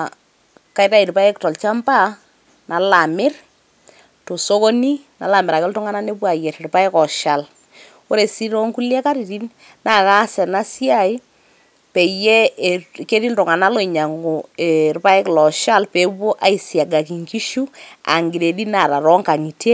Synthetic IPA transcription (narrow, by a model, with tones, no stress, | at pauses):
ka˦i˦ta˦i˨ɾpa˦ɛ˦ktɔ˨lt͡ʃa˦mba˦ | na˨la˨mɪ˦r | to˨so˦ko˦ni˦ | na˨la˨mɪ˨ɾa˨kɪ˦ltɔ˦ŋa˦na˦ne˦pwa˨jɛ˨tɾpa˦ɛ˦kɔ˨ʃa˨l | o˦ɾe˨si˦ɾɔ˦ŋku˦ljɛ˦ka˦ɾi˨ɾi˦n | na˨ka˦sɛ˨na˦si˦a˦˨ɪ˦ | pɛ˨jɛ˦˨ke˦di˦ltɔ˨ŋa˨na˦lo˦˨i˨ɲa˨ŋɡo˨e˨ɾpa˦ɛ˦klɔ˨ʃa˦lpe˨po˦ʔa˨˦i˨sja˨ɡa˨ki˨ŋki˦ʃu˦a̰˨ŋɡɪ˨ɾe˨di˦na˨ɾa˨ɾɔ˦ŋka˨ŋi˨te˦